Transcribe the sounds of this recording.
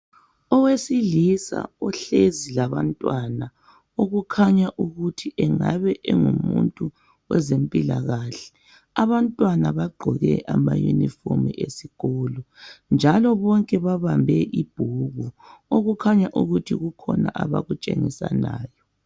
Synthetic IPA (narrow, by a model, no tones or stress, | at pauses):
ɔwesilisa̰ɔɬezilaβantʼwana | oɣukʰaɲaʔuɣutʰiʔɛŋaβɛʔɛŋumṵntʼu | wɛzempʼilaɣaɬɛ̥ | aβantʼwanaβaɡ͡ǃʱɔɣɛ̰ʔama̰jṵnifomiesiɣɔlɔnd͡ʒʱalɔβɔŋkʼɛβaβambʱɛʔib̥ʱuɣu | oɣukʰaɲaʔuɣutʰiɣukʰɔnaʔaβa̰ɣut͡ʃʼḛŋisa̰na̰ːjɔ